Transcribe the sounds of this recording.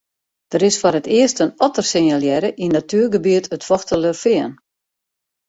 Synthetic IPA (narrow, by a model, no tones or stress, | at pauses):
d̥əɾɪsfɔrətɪəstənɔtərsɪnjalˠjɛɾəʔinatyːərɡəbiətətfɔxtələfɪən